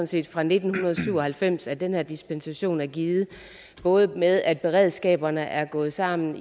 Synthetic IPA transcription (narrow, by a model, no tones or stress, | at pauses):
ɔnse̝̰ːd̥fʁɑ̈ne̝d̥n̩hunɐð̞ˠɒsyʊ̰ɒ̽hælfem̰sæɐd̥enheɐd̥isb̥ensæɕo̝̰ːnæɐɡ̥iːð̩ˠ | b̥ɔ̽ːð̞ˠəmeðˠæd̥̚b̥e̝ʁɛð̞̰ˠsɡ̥ɛ̰ːb̥ɐnəʔæɐɡ̥ɔ̽ːð̩ˠsɑ̈m̰n̩